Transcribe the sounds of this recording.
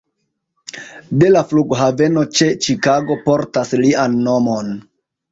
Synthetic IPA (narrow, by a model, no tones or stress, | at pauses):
de̞lafluɡɦave̞no̞t͡ʃe̞t͡ʃikaɡo̞po̞ɾtaslianːo̞mo̞n